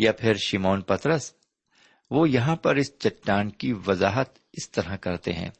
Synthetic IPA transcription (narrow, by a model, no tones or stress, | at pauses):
jaːpʰɪɾʃɪmoːnpɐt̪ɾəs | ʋoːjɐɦãpɐɾɪst͡ʃɐʈːaːnkiʋɐzaːɦət̪ | ɪst̪ɐɾakɐɾt̪ḛɦɛ̰̃ː